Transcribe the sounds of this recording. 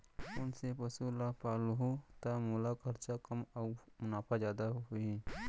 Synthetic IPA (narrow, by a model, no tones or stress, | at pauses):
ʊnsepɐsulapaːlɦut̪amoːlakʰəɾt͡ʃakəmaːmʊnaːpʰazjaːd̪aɦoi